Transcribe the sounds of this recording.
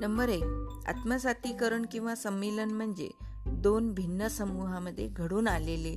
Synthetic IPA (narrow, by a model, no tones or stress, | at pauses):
nəmbəɾek̚a̰t̪məsat̪iːkəɾəɳkĩw̃ʋasəmːelənm̤əɳd͡zḛ | d̪onbʱinːəsəmuɦaməd̪ʱːjeɡʱəɽuːnalele